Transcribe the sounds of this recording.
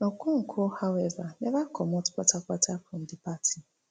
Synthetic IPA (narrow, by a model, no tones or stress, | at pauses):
nokuŋ̩kʰohawɛvanebakʰɔmɔtʊ̥k͡pʷatak͡patʰafʊn̩dɪpatʰi